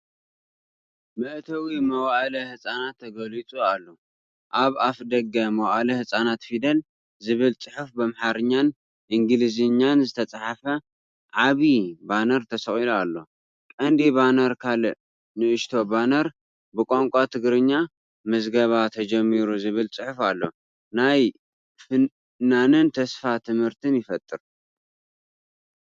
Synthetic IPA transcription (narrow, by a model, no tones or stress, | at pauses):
mɨʔt̪ʰɐwimɐwaʔlɐhɨsʼanat̪ʰːɐɡɐlit͡sʼualːo̞ | ʔaβafd̪ɐɡɐmɐwaʔalɐhɨsʼanat̪fid̪ɐl | zɨβɨlt͡sʼɨħufbɐmħaɾɨɲːan | ʔiŋɡɨlizɨɲːanzɨt̪ʰɐt͡sʼaħafɐ | ʕaβibanɐɾt̪ʰɐsɐχʼilualːo̞ | kʼɐnd̪iβanɐɾkʰalɨʔ | nɨʔɨʃt̪ʰo̞banɐɾ | bɨkʼoŋkʷʼat̪ʰɨɡɾɨɲːa | mɨzɡɐβat̪ʰɐd͡ʒɐmːiɾuzɨβɨlt͡sʼɨħufalːo̞ | naj | fɨ | nanɨnt̪ʰɐsfat̪ʰɨmhɨɾt̪ʰɨnjɪfɐt̪ʼːɨɾ